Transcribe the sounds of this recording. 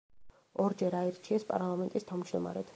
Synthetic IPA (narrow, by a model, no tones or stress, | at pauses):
ɔɾd͡ʒɛɾaɛɾt͡ʃʰiɛspʼa̰ɾlˠamɛnt̪ʼist̪ʰavmd͡ʒd̪ɔma̰ɾɛt̪ʰ